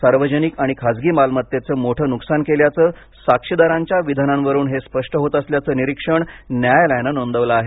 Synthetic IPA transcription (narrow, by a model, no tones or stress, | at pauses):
saɾʋəd͡ʑənikaɽ̃ikʰad͡zɡiːmalmət̪jet͡səːmoʈʰəːnuksankeljat͡səː | sakʂid̪aɾãɲt͡ɕjaʋid̪ʱənãnʋəɾuːnɦespəʂʈəɦot̪əsljat͡səːniɾikʂəɳnjajlənənond̪əʋləːɦe